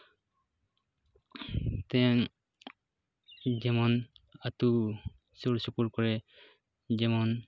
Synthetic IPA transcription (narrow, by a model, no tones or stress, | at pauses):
t̪ɛ | d͡ʒɛmɔnat̪u | soɾsukuɾkɔɹɛ | d͡ʒɛmɔn